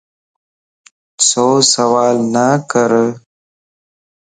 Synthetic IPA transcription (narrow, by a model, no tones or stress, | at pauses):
sosawɑːlnakəɾə